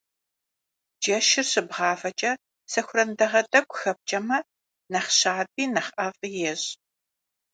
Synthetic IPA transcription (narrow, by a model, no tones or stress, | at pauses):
d͡ʒɐʃɪrsɨbʁɑːfɐt͡ʃʼɐ | sɐxʷʊrɐndɐʁɐdʼɐkʷʼxɐp̚t͡ʃʼɐmɐ | nɐχɕaːb̚iːnɐχʔɐvjɛʑ